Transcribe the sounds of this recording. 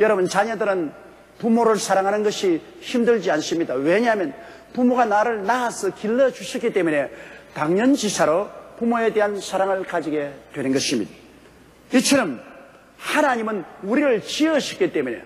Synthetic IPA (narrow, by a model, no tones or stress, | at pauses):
jʌɾʌbunt͡ɕaɲʌdɯɾɯn | pumoɾɯɭsʰaɾaŋɦanɯnɡʌɕʰi | çimdɯɭd͡ʑians͈ɯmɲidaweɲamjʌn | pumoɡanaɾɯɭnaːsʰʌkiɭːʌd͡ʑuɕʰik͈it͈e̞mune̞taŋɲʌnt͡ɕisʰaɾopumoe̞de̞ɦansʰaɾaŋɯɭkad͡ʑiɡe̞twe̞nɯnɡʌɕʰimɲḭda | it͡ɕʰʌɾʌm | hanaɲimɯnuɾiɾɯɭt͡ɕiʌɕʰi̥k͈it̪͈e̞mune̞̰